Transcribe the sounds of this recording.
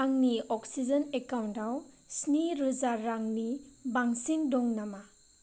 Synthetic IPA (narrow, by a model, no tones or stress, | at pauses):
aŋniɔksid͡ʒɔnekawntaw | sniɾuzaːaŋnibaŋsiŋdɔŋnama